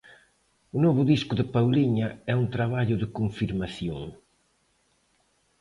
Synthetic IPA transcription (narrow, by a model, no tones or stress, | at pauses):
ʊnɔβʊðiskʊðɪpawliɲɐɛunt̪ɾaβaʎʊðɪkoɱfiɾmaθjo̰ŋ